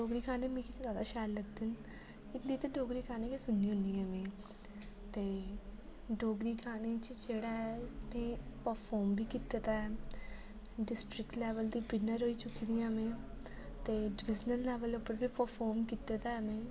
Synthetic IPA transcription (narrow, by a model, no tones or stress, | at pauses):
ɖoːɡɾiːkʰaːnemẽːkiszaːd̪aːʃaːlːəɡ̚d̪ɪn | ɪt̪d̪iːt̪eɖoːɡɾiːkʰaːnekisʊnːiːɦʊ̃nd̪iːɛ̃ːmẽː | t̪eː | ɖoːɡɾiːkʰaːnet͡ʃd͡ʒeːɽaːɛmɛ̃ːpəɾpʰɔːɾmbʱiːkit̪et̪aːɛː | ɖɪsʈɾɪkʈlɛːʋəld̪iːbɪnəɾɦoːiːt͡ʃʊkd̪ijãːmẽː | t̪eːɖʋɪd͡ʒnəlːɛːʋəlʊpəɾbʱiːpəɾpʰɔːɾmkit̪et̪aːɛmɛ̃ː